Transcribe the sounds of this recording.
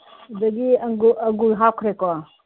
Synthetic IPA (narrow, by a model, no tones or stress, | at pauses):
udɐɡiɡɐɡujɦawkʰɾekɔ